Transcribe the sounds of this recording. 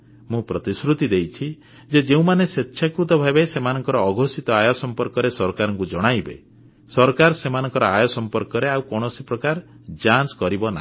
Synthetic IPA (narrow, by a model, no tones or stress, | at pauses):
mũpɾɔt̪isɾut̪id̪ejt͡ʃʰi | d͡ʒed͡ʒeũmanesetːʃʰakɾut̪ɔbʱabesemanɔŋkɔɾɔːɡʱosit̪ɔajɔsɔmpɔɾkɔɾesɔɾɔkaɾɔŋkud͡ʒɔɽ̃ajbḛ | sɔɾɔkaɾsemanɔŋkɔɾɔajɔsɔmpɔɾkɔɾeawkɔɽ̃ɔsipɾɔkaɾ | d͡ʒanskɔɾibɔna̰